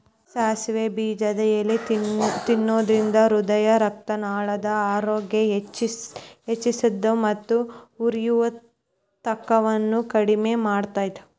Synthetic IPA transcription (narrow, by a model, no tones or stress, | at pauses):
ʃaːsʋebiːd͡ʒɐd̪ɛjɐlːit̪inːoːd̪ɾind̪ɐɾud̪ɐjɐɾɐk̚t̪ɐnaːɭɐd̪ɐaːɾoːɡjɐt͡ʃiet͡ʃːisid̪ːumɐt̪ːuuɾijuʋɐ | t̪ɐkːɐʋɐnːukɐɽimeːmaːɽt̪aːjd̪e